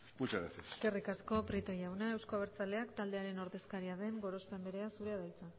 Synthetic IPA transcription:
mut͡ʃaɾa̰seseske̞rikasko̞pɾit̪o̞jawnae̞wsko̞aβ̞eɾt͡sale̞akt̪ald̪e̞aɾe̞no̞ɾðe̞skaɾiaðe̞ŋɡo̞ɾo̞spe̞mbe̞ɾe̞asuɾe̞aðajt͡sa

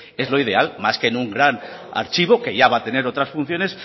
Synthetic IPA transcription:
e̞zlo̞ið̞e̞almaske̞nuŋɡɾan | a̰ɾt͡ʃiβ̞o̞ke̞ʝaβat̪e̞ne̞ɾo̞t̪ɾasfun̟θjo̞ne̞s

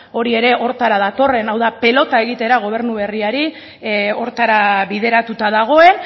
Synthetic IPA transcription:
o̞ɾie̞ɾe̞o̞ɾt̪aɾaðat̪o̞re̞nawðape̞lo̞t̪ae̞ɣ̞it̪e̞ɾaɣ̞o̞β̞e̞ɾnuβe̞riaɾi | o̞ɾt̪aɾaβiðe̞ɾat̪ut̪aðaɣ̞o̞e̞n

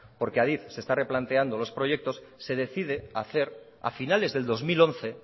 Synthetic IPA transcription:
po̞ɾkeaðiθse̞st̪are̞plant̪e̞and̪o̞lo̞spɾo̞ʝe̞k̚t̪o̞sːe̞ð̞e̞θið̞e̞aθe̞ɾ | a̰finale̞zðe̞ld̪o̞zmilo̞nθe̞

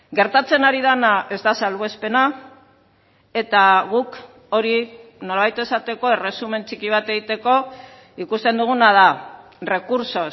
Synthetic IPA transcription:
ɡe̞ɾt̪at͡se̞naɾið̞anae̞zd̪asalβe̞spe̞na | e̞t̪aɣuk | o̞ɾino̞laβajt̪e̞sat̪e̞ko̞e̞re̞sume̞nt͡sikiβ̞at̪e̞ɣit̪e̞ko̞ | ikust̪e̞nd̪uɣ̞unað̞a | re̞kuɾso̞

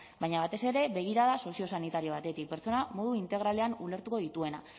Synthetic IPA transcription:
bajɲaβat̪e̞se̞ɾe̞βe̞ɣ̞iɾaðaso̞sio̞sanit̪aɾio̞β̞at̪e̞t̪ik̚pe̞ɾt͡so̞namo̞ðuint̪e̞ɣ̞ɾale̞anule̞ɾt̪uko̞ðit̪ue̞na̰

